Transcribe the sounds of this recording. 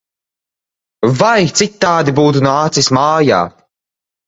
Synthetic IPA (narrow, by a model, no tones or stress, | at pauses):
vajt̪sit̪ːaːd̪ibuːt̪unaːt̪sismaːja̰ː